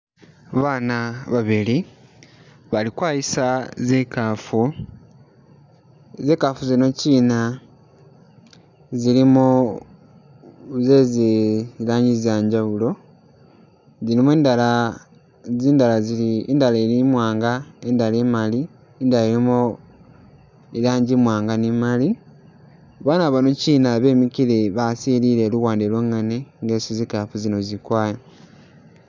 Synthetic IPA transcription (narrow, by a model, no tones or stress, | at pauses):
βaːnaβaβili | βalikwaːjisazekaːfu | ze̞ːkafuzino̞ciːna | zilimo | zezilaːɲizjaːɲɟaβulo̞ | zilimuweːndala | ziːndalaziliindalaɾimwaːŋɡaendaleːmaliː | ndalaiɾimo | ilaːɲɟimwaːŋɡanimali | βanaβanociːnaβe̞ːmikileβasiliɾe̞ːluɣwaːndelweŋaneŋɡeːsizikafuzino̞zikwaːja